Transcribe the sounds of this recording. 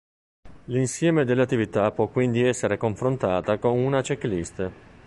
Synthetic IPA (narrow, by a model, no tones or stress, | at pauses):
linsjɛːmed̪elːat̪ːivit̪apwɔkːwind̪iɛsːeɾekoɱfɾont̪aːt̪akonunat͡ʃeklist̪e